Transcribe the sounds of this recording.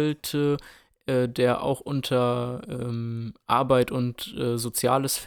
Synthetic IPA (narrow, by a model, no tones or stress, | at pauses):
ltʰə | ʔɛːdeːɐʔa̰ʊxʔʊntʰɐʔɛːmmʔa̰ɐbaɪtʊntʔɛːzot͡sja̰ːləsf